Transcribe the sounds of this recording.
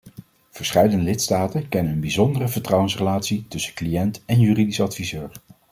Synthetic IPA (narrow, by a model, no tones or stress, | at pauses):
v̥əɹsχɛjdəndəlɪtstaːtənkɛnənənbizɔndərəvəɹtrɑwənsrəlaːtsitɵsəklijɛntɛnjyːridisɑtfizøːɹ